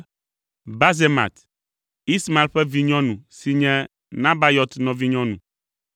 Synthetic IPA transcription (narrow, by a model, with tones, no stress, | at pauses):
ba˦ze˦mã̰˨t̪ | i˦sma˨lɸɛ˦vi˦ɲɔ̃˦nũ˨si˨ɲɛ̃˦ | nã˦ba˦jɔ˦t̪nɔ̃˨vi˦ɲɔ̃˦nṵ̃˨